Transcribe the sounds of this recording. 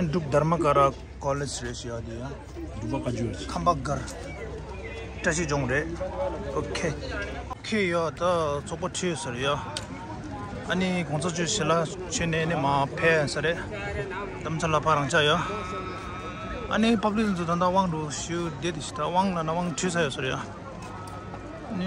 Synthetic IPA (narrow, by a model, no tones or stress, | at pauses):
ɖ͡ʐuk̚d̪armakaɾa | kɔled͡ʑreʔɕijad̪eja | kʰambaɡar | ʈ͡ʂaɕid͡ʑoŋɾeʔokʰe | okʰejat̪at͡sʰoʔpaʈ͡ʂʰijsaɾeja | ʔɐnikʰot͡sʰat͡ɕyɕela | t͡ɕʰønenimapʰeːsaɾeʔ | d̪amt͡sʰalapʰaɾaŋt͡ɕʰajo | ʔɐ̰nipapliʔt̪int͡sʰut̪and̪awaŋdoɕud̪et̪eɕi̥t̪awaŋlanawaŋʈ͡ʂʰiːsajøsaɾeja | ni